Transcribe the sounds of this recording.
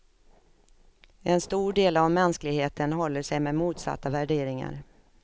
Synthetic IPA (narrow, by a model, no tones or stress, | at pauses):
ʔɛnst̪uːɖeːlavmɛnsklɪɡheːt̪ʰənɦɔlːəʂɛjmɛmuːt̪sa̰t̪ːavæɖeːɾɪŋa̰ɾ